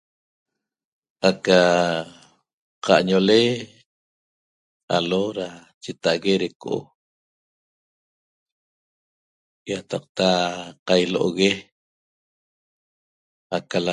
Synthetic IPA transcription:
aka | qaʔɲole | aloɾat͡ʃet̪aʔɣeɾekoʔo̰ | jat̪ɑq̚t̪aqajloʔo̰ɣe | akala

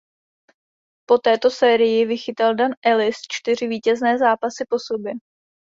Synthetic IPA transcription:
po̞t̪ɛːt̪o̞sɛːɾɪjɪvɪxɪt̪aldanʔɛlɪst͡ʃt̪ɪr̝ɪviːcɛznɛːzaːpasɪpo̞so̞bjɛ

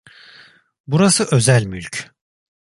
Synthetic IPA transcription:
buɾasɯʔø̞zælʲmylʲcʰ

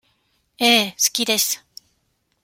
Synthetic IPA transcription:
eːsɨ̥kʲid̪e̞sɨ̥

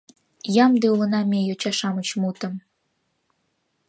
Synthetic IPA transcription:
jɑmd̪eulə̆nɑmʲejot͡ɕɑʃɑmət͡ɕmut̪əm

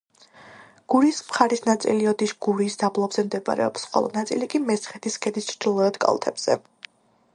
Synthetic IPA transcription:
ɡ̥uɾiːsmχaɾisnat̪sʼḭliɔd̪iʃɡ̥uɾiːsd̪ablˠɔbz̥ɛmd̪ɛba̰ɾɛ̰ɔ̰psχɔ̰lˠɔ̰nat̪sʼilikʼimɛsχɛt̪ʰiskʰɛd̪ist͡ʃʰɾd̪̥ilˠɔɾɛd̪kʼa̰lˠt̪ʰɛ̰bz̥ɛ̰

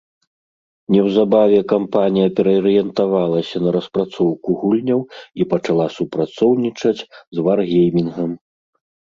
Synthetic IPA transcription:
nʲɛwzabavʲɛkampanʲijɐpʲɛɾɐːɾɨjɛnt̪avalˠɐsʲɐnɐɾɐspɾat̪sɔwkuɣulʲnʲɐwipɐt͡ʂalˠasupɾat̪sɔwnʲit͡ʂɐt͡sʲzvarɣʲejmʲinɣɐm

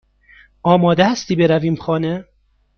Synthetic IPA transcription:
ɒːmɒːd̪ehæst̪iːbeɾæviːmxɒːne

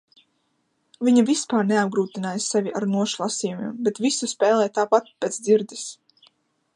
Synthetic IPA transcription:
viɲavispaːɾneab̚ɡɾuːt̪inaːjssɛvʲiʔaɾnuɔʃlˠasijumḭmbet̪visuspɛːlˠɛjt̪aːpat̪̚pet̪sd̪ziɾd̪is

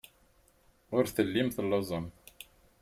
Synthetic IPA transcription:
ʊɾθəlːimθəlːəzˤɑm

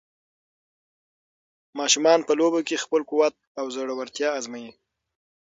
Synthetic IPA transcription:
mɑʃumɑnpəlobokexpəlkuwat̪̚awzəɽawaɾt̪jɑazmaji

